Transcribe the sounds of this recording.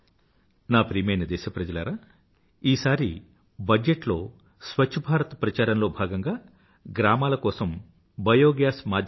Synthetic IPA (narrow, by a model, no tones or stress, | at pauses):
naːpɾiːmɐjnɐd̪ɛːʃɐpɾɐd͡ʒɐlɐɾaː | iːsaːɾi | bɐd͡ʒeʈlo̞ː | sʋɐt͡ʃʰːɐbʱaːɾɐt̪ɐpɾɐt͡ʃaːɾɐnlo̞ːbʱaːɡɐŋɡaː | ɡɾaːmaːlɐkɔːsɐm | bʱɐjoːɡjaːsmaːd̪